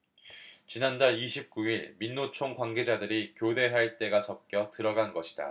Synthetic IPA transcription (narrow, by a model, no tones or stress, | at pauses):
t͡ɕinandaɭiɕʰip̚k͈uiɭminːot͡ɕʰoŋkwaŋɡe̞d͡ʑadɯɾikjode̞ɦaɭt͈e̞ɡasʰʌp̚k͈jʌtɯɾʌɡanɡʌɕʰi̥da̰